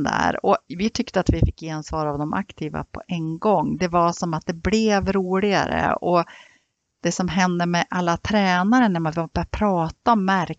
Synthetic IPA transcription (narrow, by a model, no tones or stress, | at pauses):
d̪æ̰ːɾɔvɪt̪ʰʏkt̪əat̪vɪfɪkːjeansvɑːɾavd̪ɔmʔa̰kt̪ʰiːva̰pʰɔ̰ʔɛŋɡɔŋːd̪ɛvasɔmat̪̚d̪ɛblɛvɾuːɭɪɡa̰ɾə̰ɔ | d̪̥ɛsɔmɦɛnd̪əmɛʔalːat̪ʰɾɛːnaɾənæɾmanvabœɾapʰɾɑːt̪aɔmːæɾ